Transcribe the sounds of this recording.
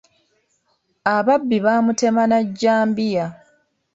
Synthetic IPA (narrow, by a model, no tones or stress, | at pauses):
aβabːiβaːmute̞manaɟːaːmbija